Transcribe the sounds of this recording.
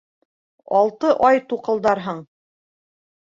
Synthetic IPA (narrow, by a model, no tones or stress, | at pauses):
ɑlˠt̪ɤʔɑjt̪uqɤ̆lˠd̪ɑɾɦɤɴ